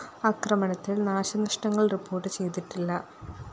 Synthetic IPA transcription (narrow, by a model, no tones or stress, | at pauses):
ɐkrɐmɐɳɐt̪ːilnaːɕɐnɐʂʈɐŋːɐɭripːo̞ːrʈːɨt͡ɕe̞jt̪iʈːilːɐ